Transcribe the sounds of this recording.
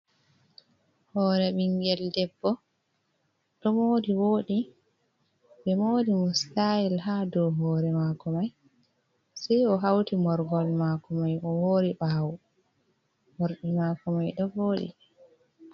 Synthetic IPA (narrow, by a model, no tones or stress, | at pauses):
hɔːɾɛɓiŋɡɛldɛbːɔ | ɗɔmoːdiwoːɗi | ɓɛmoːdimustailhadɔɦɔːɾɛmakɔmaj | sɛjɔɦawtimɔɾɡɔlmakɔmajʔɔwoːɾiɓaw | mɔɾɗimakɔmajɗɔvoːɗḭ